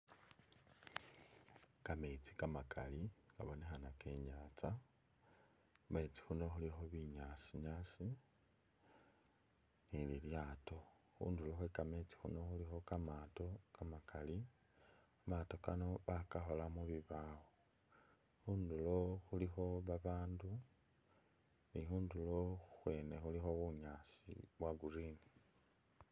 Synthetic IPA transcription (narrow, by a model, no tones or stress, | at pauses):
kame̞t͡si̥kamakʰa̰lika̰βone̞xanake̞ɲaːt͡sa | me̞t͡si̥xuno̞xulixoβiɲasiɲaːsi | nililjaːto̞ | xṵːnduloxwekame̞t͡si̥xṵno̞xulixo̞kamato̞kamakali | amato̞kano̞βakaxo̞lamuβiβaːwo | xuːndulo̞xulixo̞βaβaːndu | nixuːndulo̞uxwe̞ːne̞xulixo̞βuɲasḭβwaɡuɾini